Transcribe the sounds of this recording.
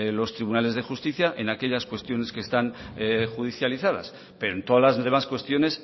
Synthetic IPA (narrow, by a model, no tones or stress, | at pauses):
lo̞st̪ɾiβunale̞zðe̞xust̪iθjaʔenake̞ʎaskwe̞st̪jo̞ne̞skest̪anxuðiθjaliθað̞a̰s | peɾoent̪o̞ðalazðe̞maskwe̞st̪jo̞ne̞s